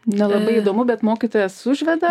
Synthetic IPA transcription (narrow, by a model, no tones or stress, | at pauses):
nʲɛlˠɐbɐɪiːd̪oːmʊbʲɛt̪moːkʲit̪oːjɛssʊʒʲʋʲɛd̪ɐ